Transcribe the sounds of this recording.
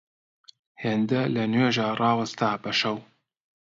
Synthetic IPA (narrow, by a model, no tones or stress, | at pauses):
heːnd̪ɐlɐnweːʒaːrˤɑːwɐst̪aːbɐʃɐw